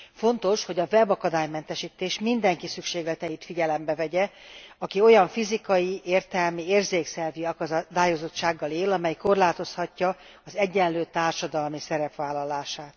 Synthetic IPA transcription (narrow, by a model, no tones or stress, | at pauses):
fo̞nt̪o̞ʃho̞ɟɒvɛbɒkɒd̪aːjmɛn̪t̪ɛʃiːt̪eːʃmind̪ɛŋkisykʃeːɡlɛt̪ɛjit̪fiɟɛlɛmbɛvɛɟɛɒkio̞jɒɱfizikɒjieːrt̪ɛlmieːrzeːksɛlviɒkd̪aːjozo̞t͡ʃːaːɡːɒleːlɒmɛjko̞rlaːt̪o̞shɒcːɒ | ɒzɛɟːɛnløːt̪aːrʃɒd̪ɒlmisɛɾɛpʋaːlːɒlaːʃaːt̪